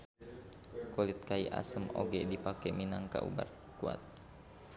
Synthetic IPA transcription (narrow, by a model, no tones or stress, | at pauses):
kolit̪̚kaiʔa̰səmo̰ɡɛdipakɛminaŋka̰ʔṵba̰r | kua̰t̪̚